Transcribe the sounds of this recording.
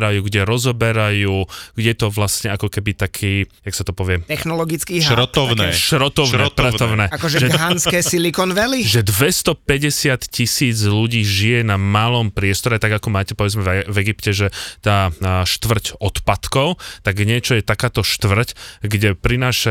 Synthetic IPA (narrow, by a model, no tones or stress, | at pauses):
ɾajuːɡɟɛɾɔzɔbɛɾajuːɡɟɛt̪ɔʋlasɲɛakɔkɛbit̪akʰiːjaksat̪ɔpɔʋɪɛt̪ɛxnɔlɔɡit͡skiːɾɔt̪ɔnɛʃʃɾɔt̪ɔʊnɾtpɾɔt̪ɔʊnɛːakɔʒɛʒɛɡɦanskɛːsilikɔnʋɛliʒɛd̪ʋɛst̪ɔpɛɟɛsɪat̪cisiːd͡zluɟiːʒijɛnamaːlɔmpɾɪɛst̪ɔɾɛt̪aɡakɔmaːcɛpɔʋɛd͡zmɛɛvɛɡipcɛʒɛt̪aːʃt̪ʋr̩cɔt̪pat̪kɔʊtt̪aɡɲɪɛt͡ʃɔjɛt̪akaːt̪ɔʃt̪ʋr̩cɡɟɛpɾinaːʃa